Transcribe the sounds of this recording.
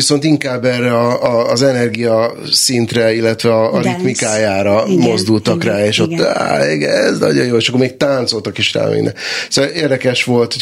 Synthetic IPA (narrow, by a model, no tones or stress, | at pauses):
iso̞nt̪iŋkaːbːɛrɛɒɒːzɛnɛrɡijɒ | sint̪rɛilːɛt̪ʋɛɒːɾit̪mikaːjaːɾɒmo̞zd̪ult̪ɒkraːeːʃo̞t̪ːa̰iɡɛ̰ɛznɒ̰ɟo̞joːeːʃɒkːoɾmeːk̚t̪aːnt̪so̞lt̪ɒkiʃra̰ːmḛnːɛ̰soeːrd̪ɛkɛʃʋo̞lt̪ho̥